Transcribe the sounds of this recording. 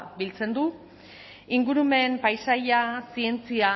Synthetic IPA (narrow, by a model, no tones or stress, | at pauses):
bilt͡se̞nd̪u | iŋɡuɾume̞mpajsajasie̞nt͡sia